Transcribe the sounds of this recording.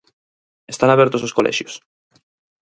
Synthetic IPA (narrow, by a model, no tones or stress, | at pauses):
est̪anaβjeɾt̪ososkolʔḛʃjos